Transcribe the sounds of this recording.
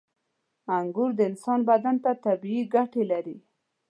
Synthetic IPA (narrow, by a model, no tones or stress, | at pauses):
aŋɡʊɾd̪əɪnsɑnbad̪ant̪at̪abiiɡaʈelaɾi